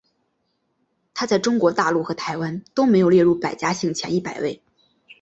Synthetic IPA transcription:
t̪ʰa˥t͡sa˥˩ɪʈ͡ʂʊ˥ŋkwɔ˧˥t̪a˥˧lu˥˩xɤ˧˥t̪ʰa˧˥ɪwa˥nt̪o˥ʊme˧˥ɪjo˨˩ʊjɛ˥˧ɻu˥˩pa˨˩ɪt͡ɕja˥ɕi˥˩ŋt͡ɕʰjɛ̰˧˥ni˥˩pa˨˩ɪwe˥˩ɪ

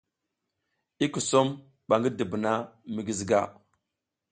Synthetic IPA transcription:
i˦ku˨so˦m | ɓa˨ŋɡi˦di˨bə˨na˦mi˨ɡi˨zi˨ɡa˦˨

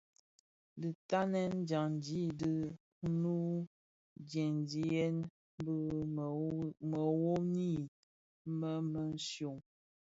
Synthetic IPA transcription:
dɨ˨ta˦nɛ˦n˦d͡ʒa˨ŋn˨d͡ʒi˨˦də˦ | nu˦ | d͡ʒjɛ˨n˦d͡ʒi˨jɛ˦n | b | mə˨wo˦ni˦˨˦ | mə˦mə˨n̩˦sjo˨ŋ

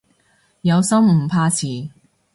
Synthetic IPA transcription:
jɐ˨˧wsɐ˥m̩˨˩pʰaː˧t͡sʰiː˨˩

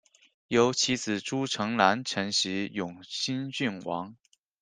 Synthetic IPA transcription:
jo˧˥ʊt͡ɕʰi˧˥t͡sʰɹ̩˨˩ʈ͡ʂu˥ʈ͡ʂʰɤ˧˥ŋla˧˥nʈ͡ʂʰɤ˧˥ŋɕi˧˥jʊ˨˩ŋɕi˥nt͡ɕy˥˩nwɑ̰˧˥ŋ

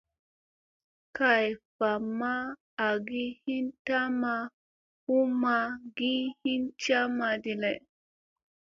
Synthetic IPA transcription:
ka˨jfa˨mːaː˦˨ | ɡi˦hi˦nta˦ma˧ | hu˦ma˧ɡi˦hi˦nt͡ʃa˦ma˨di˨lɛ˨

